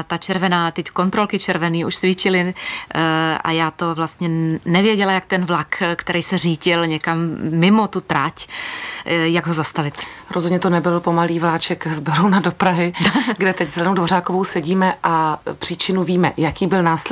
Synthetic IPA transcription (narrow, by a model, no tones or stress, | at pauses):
t̪at͡ʃɛɾvɛnaːt̪ɛcko̞nt̪ɾolkɪt͡ʃɛɾvɛniːʔuʃsviːt͡ʃɪlɪ | ʔa̰jaːt̪o̞vlast̪ɲɛnɛvjɛɟɛlajak̚t̪ɛnvlakkt̪ɛɾijsɛriːɟɪlɲɛkamːɪmot̪ut̪ɾac | jaɡɦozast̪avɪt̪ɾozɦodɲɛt̪onɛbɪlpomaliːvlaːt͡ʃɛkzbɛɾownadopɾaɦɪɡdɛt̪ɛczɛlɛnowdvoɾ̝aːkovowsɛɟiːmɛʔapr̥iːt͡ʃɪnuviːmɛjakiːbɪlnaːsɛ